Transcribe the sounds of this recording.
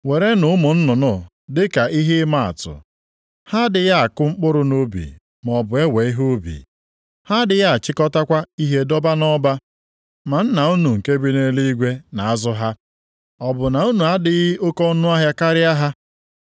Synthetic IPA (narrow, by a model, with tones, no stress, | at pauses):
we˨ɾe˦nʊ˨ʊ˦mʊ˨n̩˦nʊ˨nʊ˦ | dɪ˦ka˨i˦ɦe˦ma˨a̰˨tʊ̰˨ | ha˦dɪ˨ja˦a˨kʊ˦ŋ͡m̩˦k͡pʊ˦ɾʊ˦no˦bḭ˨ | m˨ɔ˨bʊ˨e˦we˨i˦ɦo˦bḭ˨ | ha˦dɪ˨ja˦a˨t͡ʃɪ˦kɔ˦ta˦kʷa˦i˦ɦe˦dɔ˦ba˦nɔ˦ba˦ | ma˨n̩˦na˨u˦nu˨ŋ̩˨ke˦bi˦ne˦li˦i˦ɡʷe˦na˨a˦zʊ˦ɦa˦ | ɔ˨bʊ˨na˨u˦nu˨a˦dɪ˦ɣɪ˦ʊ˦kɔ˦nʊ˦a˦ɦja˦ka˦ɾɪ˦a˦ɦa˦